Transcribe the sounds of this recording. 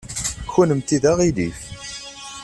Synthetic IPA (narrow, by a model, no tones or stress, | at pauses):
çunəmt̪iðaʁiðif